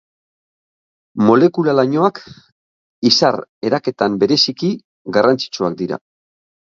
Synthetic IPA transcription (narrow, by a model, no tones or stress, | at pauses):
mo̞le̞kulalaɲo̞ak | isare̞ɾake̞t̪ambe̞ɾe̞siki | ɡarant͡si̥t͡ʃuak̚d̪iɾa̰